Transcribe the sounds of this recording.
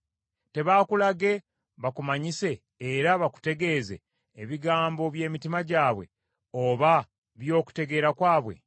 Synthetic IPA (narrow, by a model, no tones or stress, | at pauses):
te̞βaːkulaɡe̞ | βakumaɲise̞ː | ɾaβaku̥te̞ɡe̞ze̞̰ː | βiɡaːmbo̞βje̞ːmitimaɟaːβwe̞̰ | oβa | βjo̞ːku̥te̞ɡe̞ːɾakwaːβwe̞̰